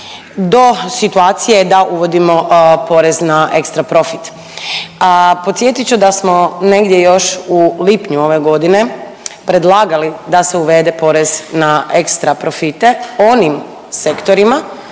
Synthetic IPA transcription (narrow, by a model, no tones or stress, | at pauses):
d̪o̞sit̪uaːt̪sijed̪aʔuʋo̞d̪imo̞po̞ɾe̞znaʔe̞kst̪ɾapɾo̞fit̪ | po̞t̪sje̞t̪it͡ʃud̪asmo̞ne̞ɡd̪jejo̞ʃulipɲuo̞ʋe̞ɡo̞d̪ine̞ | pɾe̞d̪lˠaːɡalid̪aseuʋe̞d̪e̞po̞ɾe̞znaekst̪ɾapɾo̞fit̪e̞o̞nim | se̞kt̪o̞ɾima